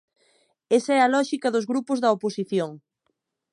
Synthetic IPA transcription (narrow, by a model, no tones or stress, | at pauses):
esɐɛɐlɔʃikɐðʊzɣɾupʊzðɐoposiθjoŋ